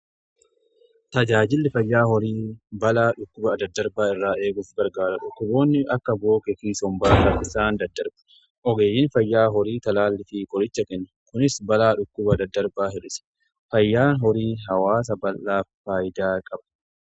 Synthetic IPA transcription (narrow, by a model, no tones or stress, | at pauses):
t̪ɐd͡ʒaːd͡ʒɪlːɪfɐjːaːhɔɾiːbɐlaːᶑʊkːʊbɐːd̪ɐd̪ːɐɾbaːɪrːaːʔe̞ːɡʊfɡɐɾɡaːɾɐᶑʊkːʊbo̞ːnːɪʔɐkːɐbo̞ːkʼɛkiːsɔmbaːkɐʔɪsaːnd̪ɐd̪ːɐɾbɐ̥ | ʔɔɡeːjːɪnfɐjːaːɦɔɾiːt̪ɐlaːlːɪfiːkʼɔɾɪt͡ʃːɐkɛnːʊkʊnɪsbɐlaːᶑʊkːʊbɐd̪ɐd̪ːɐɾbaːhɛᶑɪsɛ̥ | fɐjːaːɦɔɾiːɦɐwaːs̬ɐbɐlːaːfaːjɪd̪aːkʼɐbɐ̥